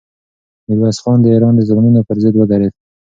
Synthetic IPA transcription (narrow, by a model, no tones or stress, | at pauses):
niɾwɑsxɑnd̪əeɾɑnd̪əzamnunopəɾzəd̪wəɡ̪aɾed̪̚